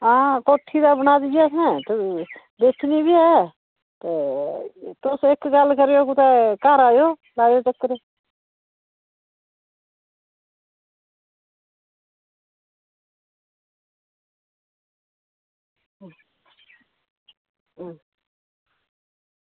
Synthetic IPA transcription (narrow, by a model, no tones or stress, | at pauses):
akoːʈʰːid̪abənaːd̪ɡjaːkʰɛ̃t̪ə | d̪eːkʰnibiɛ | t̪e | t̪oːseːkːɡalkəɾjokut̪ɛkaːɾaːjoː | laːjoːt͡ʃəkːɾe